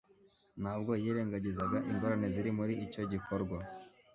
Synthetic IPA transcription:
nhaːbɡo̞jiːɾeːŋɡaɟizaɡaʔiŋɡoɾane̞ziɾimuɾiico̞ɟiko̞ɾɡwa

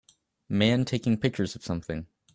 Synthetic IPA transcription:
mæ̃ntʰeɪkɪ̃ŋpʰɪk̚t͡ʃə˞zʌv̥sʌ̃mθɪ̃ŋ

